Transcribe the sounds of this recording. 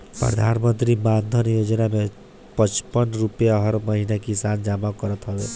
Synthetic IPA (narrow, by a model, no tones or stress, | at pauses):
pɾə̰d̪ʱanmənt̪ɾiband̪ʱənjod͡ʒnamẽ | pət͡ʃpənɾupjaɦʌɾməɦinakisand͡ʒamakɔɾət̪ɦɔbe